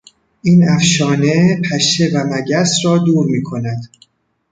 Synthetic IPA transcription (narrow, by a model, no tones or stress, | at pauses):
ʔiːnæfʃɒːne̞pʰæʃe̞væmæɟæsɾɒːd̪uːɾmiːkʰo̞næd̪